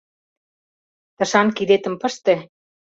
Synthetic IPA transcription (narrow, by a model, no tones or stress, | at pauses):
t̪ə̆ʃɑnkid̪et̪ə̆mpə̆ʃt̪ĕ